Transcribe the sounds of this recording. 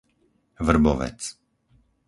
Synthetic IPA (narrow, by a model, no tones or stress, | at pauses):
vr̩bɔʋɛ̰t͡s